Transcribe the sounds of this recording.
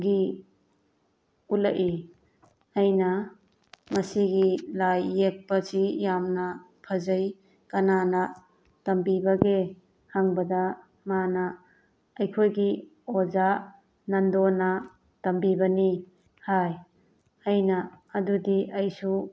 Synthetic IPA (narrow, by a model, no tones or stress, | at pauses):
ɡi | ulaʔi | ɐjnɐ | mɐsiɡilajːek̚pɐsijamnɐ | pʰɐzɐj | kɐnanɐ | tɐmbibɐɡe | haŋbɐda | manɐː | jkʰojɡi | oza | nɐndonɐ | tɐmbibɐni | haj | ɐjnɐː | dudiʔɐjsu